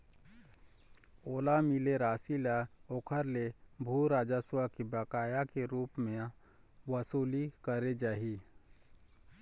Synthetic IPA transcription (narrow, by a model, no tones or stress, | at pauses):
oːlamileɾaːsilaoːkʰəɾlebʱuɾaːd͡ʒaswakibakaːjakeɾuːpmẽ | ʋəsuːlikəɾed͡ʒaːɦi